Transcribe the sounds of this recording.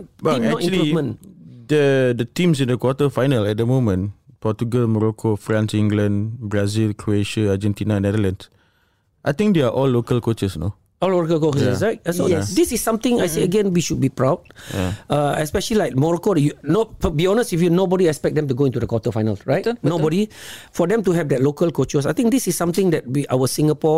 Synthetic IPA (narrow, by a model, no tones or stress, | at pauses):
baĩmɛɔtĩlluimə̃ndədətĩmsĩndəkwɔtəfajnəlɛt̚dəmõmə̃npɔt͡ʃuɡəlmɔɹɔkʰofɹãnsĩŋɡlãnbɹazilkʰɹoeʃə̃ad͡ʒɛ̃ntinanɛdəlãns | ʔajt̪ĩŋk̚deaʔɔlːokəlkot͡ʃəsno̰ | ɔloɹɔkəlkot͡ʃəsɛsaɪk̚soɛsdisisːãmt̪ɪ̃ŋajseəɡɛ̃nwiʃud̚bipɹawd̰ʌɛspɛʃəlilaɪk̚mɔɹokodjunobiɔnəstifjunobɔɾiɛkspɛk̚dɛ̃mtuɡoĩntudəkwɔtəfajnəlɹaɪtnnobɔɾifɔdɛ̃mtuɦɛvdɛt̚lokəlkot͡ʃəsajt̪ɪ̃ŋk̚disissãmt̪ɪ̃ŋdɛt̚wiʔawəsĩŋəpɔ